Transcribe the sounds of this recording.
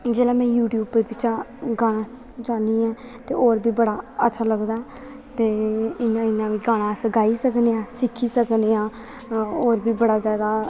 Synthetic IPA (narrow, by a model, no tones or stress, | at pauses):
d͡ʒeːlãːmɛ̃ːjuːʈjuːbəɾʋɪt͡ʃãːɡaːɽãː | d͡ʒaːniːɛ̃ː | t̪eːoːɾbʱiːbəɽaːətːʃʰaːləɡd̪aː | t̪eːɪnãɪnãːʋiːɡaːɽ̃aːsəɡaːiːsəkneãːsɪkʰːiːsəkneːãː | oːɾbiːbəɽaːzjaːd̪aː